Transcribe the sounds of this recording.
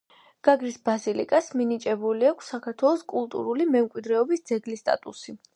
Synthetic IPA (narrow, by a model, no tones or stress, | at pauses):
ɡ̥aɡɾisbazilḭkʼasminit͡ʃʼɛbuliakʷʰsːakʰaɾt̪ʰwɛlˠɔskʼulˠt̪ʼṵɾulimɛmkʼwid̪ɾɛɔbisd̪z̥ɛɡlist̪ʼa̰t̪ʼusi